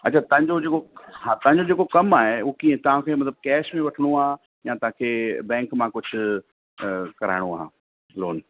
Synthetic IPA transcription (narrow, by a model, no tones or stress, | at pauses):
ɐt͡ɕʰat̪ɐɦɪ̃ɲd͡ʑod͡ʑeːkoɦaːt̪ɐ̃ɦɪ̃ɲd͡ʑod͡ʑeːkokɐmaːɦeʊɦokiːẽt̪ɐʋ̤ãkʰemɐt̪ləb̚kɛːʃmẽʋɐʈʰəɽ̃uãː | jãːt̪ɐʋãkʰeːbɛ̃ːŋkmãkʊd͡ʑʱʊ̆ | kɐɾa̰ːɪɽ̃oa̰ːɦ | loːn